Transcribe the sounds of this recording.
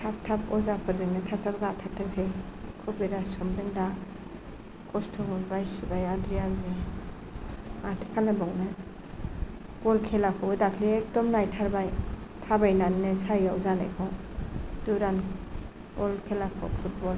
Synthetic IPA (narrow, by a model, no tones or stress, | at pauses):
tʰap̚tʰapɔzapʰɯɾzɯŋnɯtʰap̚tʰapɡatʰatʰːɯŋsekʰubiɾasɔmdɯŋda | kʰɔstʰɔŋunbajsbajadɾijani | matʰkʰanabɔŋnɯ | ɡ̥ɔlkʰelakʰɔbɯdakʰliek̚dɔmnajtʰaɾbajtʰabajnannɯsajawzana̰jkʰɔ | d̥uɾan | bɔlkʰelakʰɔ̰pʰut̚bɔl